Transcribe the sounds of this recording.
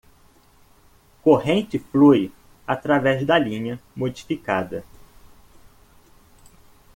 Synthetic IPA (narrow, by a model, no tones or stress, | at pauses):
koɦẽnt͡ʃɪfluj | at̪ɾavɛzd̪ɐlĩɲɐmod͡ʒifikad̪ɐ